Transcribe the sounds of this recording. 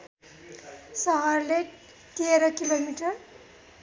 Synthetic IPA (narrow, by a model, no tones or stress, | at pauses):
sʌɦʌrle | t̪eɾʌkilomiʈʌr